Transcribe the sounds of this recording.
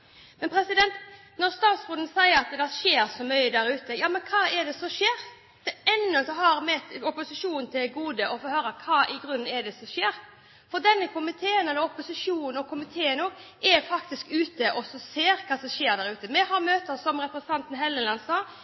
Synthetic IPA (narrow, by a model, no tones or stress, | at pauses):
mɛnpʰɾɛsɪd̪ɛnt̪ | nɔɾst̪ɑːt̪sfɾʊːn̩sæɪəɾɑt̪d̪ɛʃeːɾsɔmœʏəd̪æɾʉːt̪əjɑːmɛnkʰɑːɛd̪ɛsɔʂeːɾ | d̪̥ɛɛnːʊsɔhɑɾmɛɔpʊsɪʂuːnnt̪ʰɪlɡuːd̪əʔɔfɔːhøːɾɑkʰɑːʔɪɡɾʉn̩ːɛd̪ɛsɔʂeːɾ | fɔd̪ɛnːəkʰʊmɪt̪ʰeːənɛd̪ɔɔpʊsɪʂuːnnɔkʰʊmɪt̪ʰeːənoːɡʔɛɾfɑkt̪ɪskʉːt̪əʔɔsɔseːɾkʰɑsɔʂeːɾd̪æɾʉːt̪əmɛhɑɾmøːt̪əɾsɔmɾɛpɾɛsənʰɑnt̪n̩ɦɛlːənlɑnsɑː